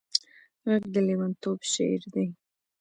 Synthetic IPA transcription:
ɣəɡd̪əliwant̪obʃḛɾd̪aj

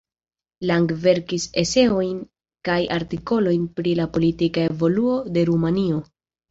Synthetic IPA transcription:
laŋɡve̞ɾkise̞se̞o̞jn | kajaɾtiko̞lo̞jnpɾilapo̞litikae̞vo̞luo̞de̞ɾumanio̞

